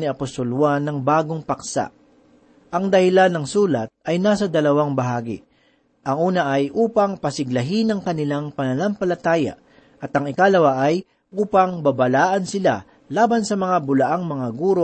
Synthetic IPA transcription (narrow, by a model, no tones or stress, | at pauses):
nɪɐpost̪olwanːɐŋbaːɡoŋpɐksa̰ʔ | ʔɐŋd̪ɐhɪlanːɐŋsuːlɐt̪̚ɐjnaːsɐd̪ɐlɐwaŋbɐɦaːɡɪ̰ | ʔɐŋʔuːnɐʔɐjʔuːpɐŋpɐsɪɡlɐɦinɐŋkɐnɪlaŋpɐnɐlampɐlɐt̪aːja̰ | ʔɐt̪ɐŋɪkalɐwaʔɐj | ʔuːpɐŋbɐbɐlaːʔɐnsɪla | laːbɐnsɐmɐŋabʊlɐʔaŋmɐŋaɡuːɾo